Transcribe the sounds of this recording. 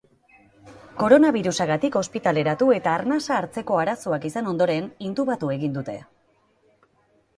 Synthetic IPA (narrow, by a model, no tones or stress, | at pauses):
ko̞ɾo̞naβ̞iɾusaɣat̪iko̞spit̪ale̞ɾat̪ue̞t̪aːrnasaːɾt͡se̞ko̞aɾasoakisano̞nd̪o̞ɾe̞nint̪uβat̪ue̞ɣind̪ut̪e̞